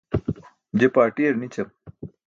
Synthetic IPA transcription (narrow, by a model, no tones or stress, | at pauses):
d͡ʑepaːʈijɐɾnit͡ɕɐm